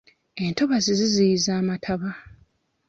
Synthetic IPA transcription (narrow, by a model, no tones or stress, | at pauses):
e̞nto̞βazizizijizaːmatʰaβa